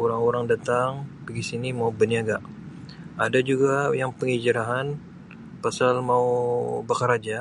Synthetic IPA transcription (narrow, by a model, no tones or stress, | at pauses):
oɾaŋoɾaŋdat̪aŋbəɡisinimaubəniaɡaʔ | ʔadad͡ʒuɡajaŋpəŋid͡ʒəɾaɦan | pasalmaubakaɾad͡ʒa